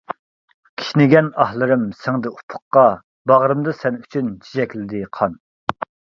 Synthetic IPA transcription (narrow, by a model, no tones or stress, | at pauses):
kʲʰi̥ʃnɪɡʲɛnɑhlˠɨɾɨmsɪŋd̪ɨupʰʊ̥χːɑ | bɑʁɾɨmd̪ɨsɛnyt͡ʃʰynt͡ʃʰid͡ʒɛkʲlɪd̪ɪqʰɑn